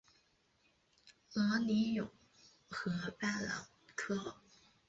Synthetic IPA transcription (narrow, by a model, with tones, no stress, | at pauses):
lɑ˧˥ni˧˥jʊ̰˨˩˦ŋ | xɤ˧˥pa˥˩lɑ̰˨˩˦ŋ | kʰɤ˥